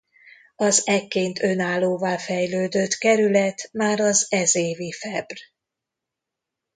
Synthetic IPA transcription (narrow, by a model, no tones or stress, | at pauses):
ɒzɛkːeːnt̪ʰø̞naːlːoːvaːlfɛjløːd̪øt̪kɛɾylɛt̪maːɾɒzɛzeːvifɛbr